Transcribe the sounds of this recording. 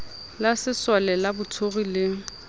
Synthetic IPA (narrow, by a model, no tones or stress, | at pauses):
lasɪswalɛlabʊtʰoɣilɪŋ̩